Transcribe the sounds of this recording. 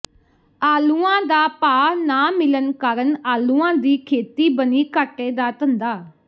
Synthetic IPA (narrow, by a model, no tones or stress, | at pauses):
aːluːãːd̪aːpaːnaːmɪlənkəɾənaːluːãːd̪iːkʰeːt̪iːbəniːkəʈːeːd̪aːt̪ənd̪aː